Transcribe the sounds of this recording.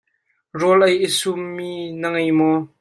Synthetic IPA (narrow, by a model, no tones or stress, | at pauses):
rɔlʔɐjəsumːiːnəŋɐjmɔ